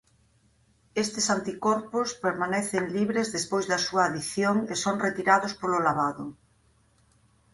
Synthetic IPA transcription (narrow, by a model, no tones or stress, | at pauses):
est̪ɪsant̪ikɔɾpʊspeɾmanɛθeŋliβɾezðespojzðɐsuaːðiθjoŋesoŋret̪iɾaðospolʊlaβaðʊ